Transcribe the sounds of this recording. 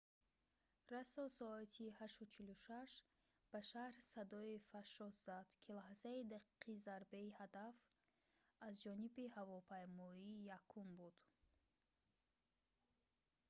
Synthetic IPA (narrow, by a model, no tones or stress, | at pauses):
rasɔsɔat̪ʰihaʃut͡ʃʰiluʃaʃ | b̥aʃahɾsad̪ɔifaʃɔsz̥ad̪̥kʰilahzaid̪aqʰi̥qʰizaɾbeihad̪af | azd͡ʒɔnibihavɔpʰajmɔijakʰumbud̪̥